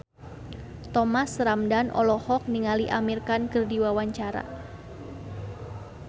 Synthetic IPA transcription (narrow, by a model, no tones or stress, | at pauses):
t̪ɔmasɾamdanʔɔ̰lɔhɔk̚niŋaliʔamirkankərdiwawaɲt͡ʃaɾa̰